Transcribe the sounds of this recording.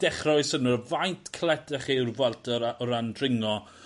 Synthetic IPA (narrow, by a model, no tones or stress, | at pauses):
d̥ɛχrɔɨsənərvajntʰkʰlˠɛtɛχirvɛlˠtʰɔɔɾandrɪŋɔ